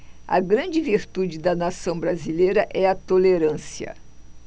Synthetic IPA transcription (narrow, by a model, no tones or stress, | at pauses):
ɐ̰ɡɾɐ̃d͡ʒɪviɾt̪ud͡ʒɪd̪ɐnasɐ̃w̃bɾazilejɾɐʔɛɐt̪oleɾɐ̃siɐ̰